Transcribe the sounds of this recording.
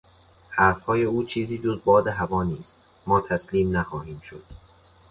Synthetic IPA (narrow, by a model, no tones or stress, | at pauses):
hæɾfhɒːje̞uːt͡ʃʰiːziːd͡ʒo̞zbɒːd̪eɦævɒːniːst̪ | mɒːt̪ʰæsliːmnæxɒːhiːmʃod̪̥̚